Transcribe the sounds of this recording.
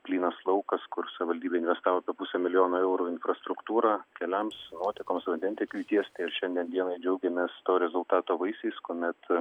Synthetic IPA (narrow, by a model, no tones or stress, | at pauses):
pʲlʲiːnɐslˠɐʊkɐskʊɾsɐʋʲɪʋɐlʲd̪ʲiːbʲeːɪnʋʲɛst̪ɑːʋoːpʲɛpʊsʲɛmʲɪlʲɪjoːnoːɛʊɾuːɪnfrɐst̪ɾʊkt̪uːɾɑːkʲɛlʲɛmsnuɔt̪ʲɪkoːmsʋɐnd̪ʲɛnt̪ʲɪkʋʲiːt̪ʲiɛst̪ʲɐɪɪɾʃʲɛnʲd̪ʲiɛnd̪iɛnɐɪd͡ʒʲɛʊɡʲɛmʲeːst̪oːɾʲɛzʊlˠt̪ɑːt̪oːʋɐɪsʲɛɪskoːmʲɛt̪